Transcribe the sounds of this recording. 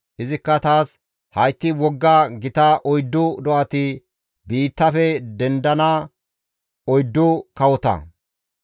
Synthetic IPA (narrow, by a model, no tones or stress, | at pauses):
ʔɪzɪkːɐt̪aːs | hɐjt̪ːɪwɔɡːaɡɪt̪ɐʔɔjd̪ːʊd̪ɔʔɐt̪ɪ | biːt̪ːɐfɛd̪ɛnd̪ɐna | ɔjd̪ːʊkɐwɔt̪ɐ̰